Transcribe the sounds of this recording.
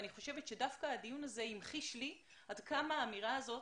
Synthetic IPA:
niχo̞ʃe̞vet̪ʃedafkaːdijunaze̞imχiʃli | adkamaːmiʁaːzo̞

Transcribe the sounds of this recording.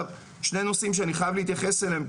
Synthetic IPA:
v | ʃne̞no̞simʃ̬eaniχajavliit̪jaχe̞seleem

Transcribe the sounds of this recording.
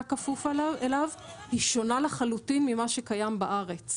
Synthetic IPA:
kafufalaelav | hiʃo̞nalaχalutinmimaʃekajambaʔaʁe̞t͡s

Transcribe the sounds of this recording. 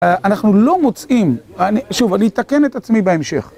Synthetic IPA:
anaχnulo̞mo̞t͡sʔimaniʃuvaniit̪ake̞net̪at͡smibeemʃḛχ

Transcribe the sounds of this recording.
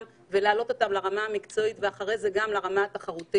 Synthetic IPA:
m | ve̞laːlo̞t̪o̞t̪amlaʁamaamikt͡so̞itveaχaʁejzeɡamlaʁamaat̪aχaʁut̪i

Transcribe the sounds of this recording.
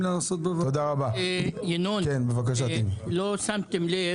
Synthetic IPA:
lanasot̪̚bevaod̪aʁabaejenukenbevak̬aʃat̪imlosamt̪emle

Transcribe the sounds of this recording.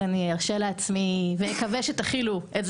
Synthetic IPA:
aniaʁʃeleat͡smivejekaveʃet̪aχiluʔez

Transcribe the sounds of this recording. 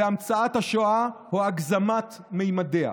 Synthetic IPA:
eamt͡saat̪haʃoahuaɡzamat̪ | mejmadea̰

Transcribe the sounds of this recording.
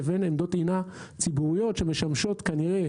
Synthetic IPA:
venemd̪o̞t̪ina | t͡sibuʁijo̞tʃemeʃamʃo̞t̪kaniʁe

